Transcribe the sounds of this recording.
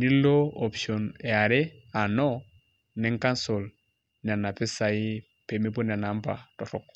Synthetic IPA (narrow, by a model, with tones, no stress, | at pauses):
ni˦lo˦o˨pʃo˨nɛ˨a˨ɾe˦a˨nɔ˦ | nɛ˨˦ŋka˦nso˨l | ni˨a˨na˨pɪ˦sa˨ɪ˦ | pe˨mi˦po˦n˨a˨na˨˦mpa̰˨tɔ˨ɾɔ˦k